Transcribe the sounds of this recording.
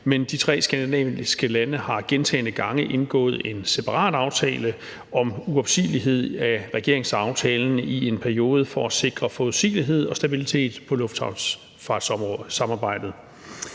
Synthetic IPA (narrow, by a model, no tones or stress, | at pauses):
mend̥it͡sʰʁɛ̰ːsɡ̥ænd̥inɛ̰isɡ̥əlænəhɑ̈ɡ̥ent͡sʰɛ̰ːnəɡ̥ɑ̈ŋəʔe̝nɡ̥ɔ̰̽ːð̞̩ˠe̝nse̝pʰɑ̈ʁɑ̰̈ːd̥ɑ̈ʊt͡sʰɛ̰ːlə | ɒ̽muɒ̽b̥sḭːliɦe̝ð̰ˠæʁɛɡ̥e̝ɐ̰eŋsɑ̈ʊt͡sʰɛːln̩ie̝npʰæɐio̝ːð̞̩ˠfɒæse̝ɡ̥ʁɐfɔð̩ˠsḭːliɦe̝ð̞̰ˠɒ̽sd̥æb̥ilit͡sʰe̝̰ːd̥pʰɒ̽lɔ̽fd̥hɑʊ | fɑ̈ːd̥ssɑ̈mɑ̈ːb̥ɑ̈ɪ̰d̥ð̩ˠ